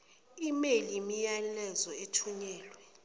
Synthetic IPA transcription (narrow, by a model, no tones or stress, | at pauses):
imelimijalɛzɔetʰuɲɛːlwɛ